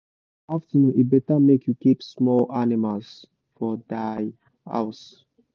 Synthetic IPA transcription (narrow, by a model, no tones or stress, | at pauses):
aftinũibɛtamekjukipsmɔlʔanimals | fɔdaj | ha̰ʊs